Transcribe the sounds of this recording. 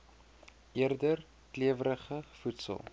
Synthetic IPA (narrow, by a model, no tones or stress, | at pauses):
ʔiərdər | kliəvəɾəχəfutsə̰lˠ